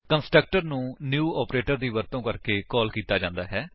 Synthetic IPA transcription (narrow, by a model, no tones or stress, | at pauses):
kənsʈɾək̚ʈəɾnũːnjuːɔːpɾeːʈəɾd̪iːʋəɾt̪õːkəɾkeːkɔːlkiːt̪aːd͡ʒãːnd̪aːɦɛː